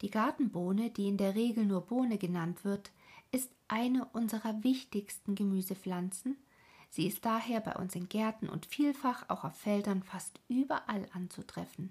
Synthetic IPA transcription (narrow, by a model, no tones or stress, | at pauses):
d̥iːɡaɐtn̩boːnədiːɪndeːɐʁ̞eːɡl̩nuːɐboːnəɡənantv̥ɪɐt | ʔɪstʔaɪnəʔʊnzəʁɐvɪçtɪçstn̩ɡəmyːzəflant͡sn̩ | z̥iːɪst̚d̥aːheːɐba̰ɪʔʊ̰nsɪnɡɛɐtn̩ʔʊ̰ntfiːlfaχa̰ʊxaʊfːɛldɐnfastʔyːbɐʔalʔant͡sutʁ̥ɛfn̩